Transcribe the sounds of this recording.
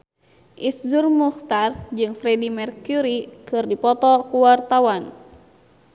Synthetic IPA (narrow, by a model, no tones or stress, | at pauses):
ʔiszurmuxt̪ard͡ʒɨŋfɾɛdimɛrkuɾikɨrdipɔt̪ɔkuwart̪awan